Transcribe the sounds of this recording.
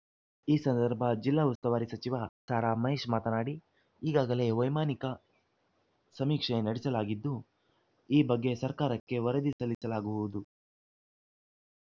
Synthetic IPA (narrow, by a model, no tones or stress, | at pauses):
iːsɐnd̪ɐɾbʱɐd͡ʒilːaːust̪ɐʋaːɾisɐt͡ʃiʋaːsaːɾaːmɐɦeːʂmaːt̪ɐnaːɽi | iːɡaːɡɐle̞ːʋɐjmaːnikɐ | sɐmiːkʂɐnɐɽisɐlaːɡid̪ːu | iːbɐɡːe̞sɐɾkaːɾɐkːe̞ʋɐɾɐd̪isɐlisɐlaːɡubuʋud̪u